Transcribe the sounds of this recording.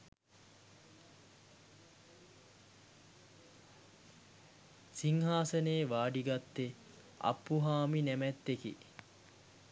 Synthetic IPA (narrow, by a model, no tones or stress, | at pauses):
siŋɦaːsəneːʋaːɖiɡat̪ːe | a̰pːuɦaːminæmæt̪ːekḭ